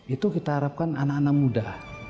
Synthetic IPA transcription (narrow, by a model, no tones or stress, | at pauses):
it̪ukit̪aɦaɾap̚kananakanak̚mudah